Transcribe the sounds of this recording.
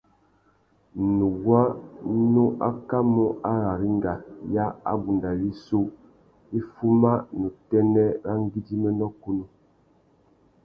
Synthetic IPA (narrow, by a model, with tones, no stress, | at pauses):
nu˨ɡwa˦no˦ʔa˦ka˦mɔ˦a˦ɾa˨ɾi˦ŋ˦ɡa˨ja˦a̰˦bu˨nda˨li˦so˦ | i˦fu˦ma˦nu˨tɛ˦nɛ˦ɾa˦ŋ˦ɡi˦di˦mɛ˦nɔ˦ku˦nu˦